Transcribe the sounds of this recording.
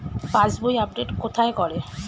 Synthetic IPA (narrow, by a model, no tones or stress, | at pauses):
pãsbojap̚ɖeʈkot̪ʰaekɔɾe